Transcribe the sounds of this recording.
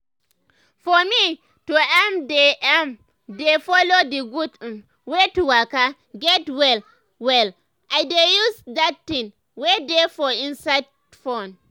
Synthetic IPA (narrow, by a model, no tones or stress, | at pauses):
fɔmi | tuɛmdeʔɛm | defɔlodiɡudm | wetuwaka | ɡɛtwɛl | wɛl | ʔajdejusdat̚tĩŋ | wedefɔĩnsad | fon